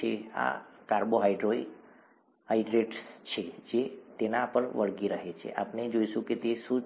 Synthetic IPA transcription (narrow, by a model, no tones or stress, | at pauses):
ea̰kaɾboɦaiɖɾoi | ɦaiɖɾeʈst͡ʃʰed͡ʒet̪enaːpəɳʋəɭɡiɾəɦet͡ʃʰḛʔa̰pned͡ʒoiʃũket̪eʃũ